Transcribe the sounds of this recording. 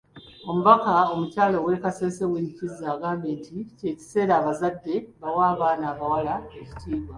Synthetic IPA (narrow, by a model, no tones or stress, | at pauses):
o̞muβakao̞mucaːlo̞wekaseːseweɲicizaːɡaːmbe̞ːntice̞ːci̥se̞ːɾaːβazadːe̞βawaːβaːnaːβawalaeci̥tʰiːβwa